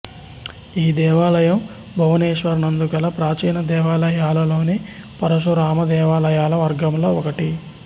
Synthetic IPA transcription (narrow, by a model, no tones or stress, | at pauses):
iːd̪ɛːʋaːlɐjɐm | bʱɐʋɐneːʃʋɐɾnɐnd̪ukɐlɐpɾaːt͡ʃiːnɐd̪ɛːʋaːlɐjaːlɐlo̞ːne | pɐɾɐʃ̬uɾaːmɐd̪ɛːʋaːlɐjaːlɐʋɐɾɡɐmloːɔkɐʈi